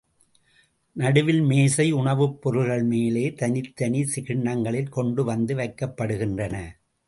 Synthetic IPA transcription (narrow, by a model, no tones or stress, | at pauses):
nɐɽɯʋɪlmeːsɐɪʊɳɐʋɯpːɔɾɯɣɐɭmeːleːt̪ɐnɪt̪ːɐnisɪɣɪɳːɐŋɡɐɭɪlkɔɳɖɯʋɐnd̪ɯʋɐɪkːɐpːɐɽɯɣɪndrɐnɐ